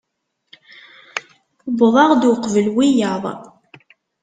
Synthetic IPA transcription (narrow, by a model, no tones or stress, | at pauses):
bðˤɑʁd̪wʊqvəlwijɑðˤ